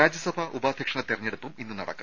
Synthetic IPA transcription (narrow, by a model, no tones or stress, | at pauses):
aːd͡ʑjɐsɐbʱɐʔubaːd̪ʱjɐkʂɐɳɐt̪ːirɐɲːeɽupːuminːɨnɐɽɐ̰kːɐ